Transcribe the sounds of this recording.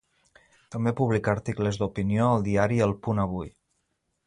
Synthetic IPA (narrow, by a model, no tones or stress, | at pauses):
t̪əmbepuβ̞likəɾt̪ikləzd̪upinioəlˠd̪iaɾiəlˠpunəβ̞uj